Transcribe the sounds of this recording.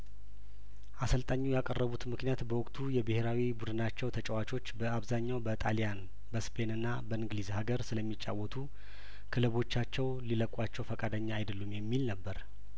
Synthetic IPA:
ʔasəlt̪ʼaɲːujakʼərːəβut̪mɨknijat̪bəwʊkʼt̪ʰujɛbəheɾawibud̪ɨnat͡ʃːɛwt̪ʰət͡ʃʼɛwat͡ʃʼo̞t͡ʃːbəaβzaɲːawbət̪ʼalijan | bəspʰe̞nɨnːabəɨŋɡlizhaɡəɾsɨləmːit͡ʃʼːa̰wːɔt̪ʰu | kʰɨlɨβo̞t͡ʃːat͡ʃːɛwliləkʼwat͡ʃːɛwfəkʼad̪əɲːaːjd̪əlːumjɛmːilnəbːəɾ

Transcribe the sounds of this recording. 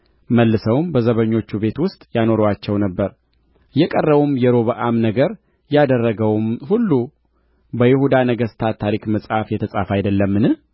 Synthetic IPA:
məlːɨsəwmbəzəβəɲːo̞t͡ʃːube̞t̪wʊst̪ʼjano̞ɾwat͡ʃːɛwnəbːəɾ | jɛkʼərːəβumjɛɾoβaʔamnəɡəɾ | jad̪ərːəɡəwmhulːu | bəjɪhud̪anəɡəst̪ʰat̪ʰaɾikməsʼhafjɛt̪ʰəsʼafajɪd̪əlːəmːɨnɨh

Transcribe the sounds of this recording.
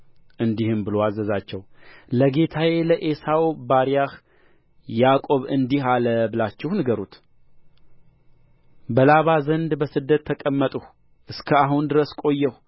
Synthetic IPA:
ʔɨnd̪ihɨmbɨloazːəzat͡ʃːɛwləɡe̞t̪ʰaweləʔesawbaɾjah | jakʼo̞βɨnd̪ihaləbɨlat͡ʃːɛhnɨɡəɾut̪ | bəlaβazənd̪bəsɨd̪ːət̪ʰːəkʼəmːət̪ʼuh | ʔɨskʰəaɦund̪ɨɾəskʼo̞jːɛhu

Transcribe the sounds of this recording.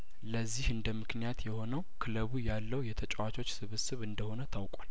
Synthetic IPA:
ləzːihɨnd̪əmːɨknijat̪jɛho̞nəwkʰɨləβujalːəwjɛt̪ʰət͡ʃʼɛwat͡ʃʰo̞t͡ʃːsɨβɨsɨβɨnd̪əho̞nət̪ʰawkʼal

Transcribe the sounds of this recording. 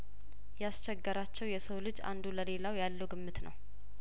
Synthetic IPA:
jɛast͡ʃɛɡːəɾat͡ʃːɛwjɛsəwlɨd͡ʒa̰nd̪uləle̞lawjalːəwɡɨmːɨt̪nə̰w

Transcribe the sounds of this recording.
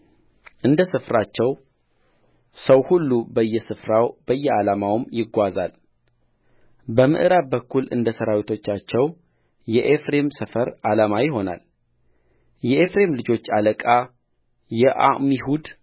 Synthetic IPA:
ʔɨnd̪əsɨfɾat͡ʃːɛw | səwhulːubəjːɛsɨfɾawbəjːɛalamawɨmjɪɡʷazal | bəmɨ̰ʔɨɾabəkːulɨ̰nd̪əsəɾawit̪ʰo̞t͡ʃːat͡ʃːɛw | jɛʔefɾe̞msəfəɾalamajɪɦo̞na̰l | jɛʔefɾe̞mlɨd͡ʒo̞t͡ʃːaləkʼa | jɛʔa̰mihud̪

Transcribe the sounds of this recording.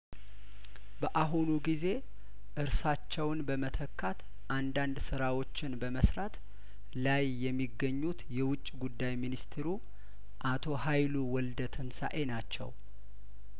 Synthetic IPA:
bəʔaɦunuɡize̞ | ʔɨɾsat͡ʃːɛwnbəmət̪ʰəkʰːat̪ | ʔand̪and̪sɨɾawo̞t͡ʃːɪnbəməsɾat̪ | lajːɛmːiɡːəɲːut̪jɛwʊt͡ʃʼːɡud̪ːajminist̪ʰeɾu | ʔat̪ʰo̞hajluwɔld̪ət̪ʰɨnsa̰ʔe̞nat͡ʃːɛ̰w

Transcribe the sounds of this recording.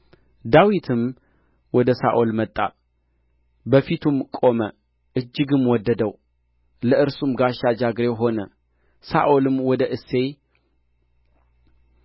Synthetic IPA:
d̪awit̪ʰɨm | wɔd̪əsa̰ʔolmət̪ʼːa̰ | bəfit̪ʰumkʼo̞mə | ʔɨd͡ʒːɪɡɨmwɔd̪ːəd̪əw | ləʔɨɾsumɡaʃad͡ʒaɡɾewɦo̞nə | sa̰ʔolɨmwɔd̪əʔɨsːe̞j

